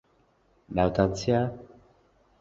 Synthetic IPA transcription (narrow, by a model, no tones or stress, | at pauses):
nawt̪ant͡sia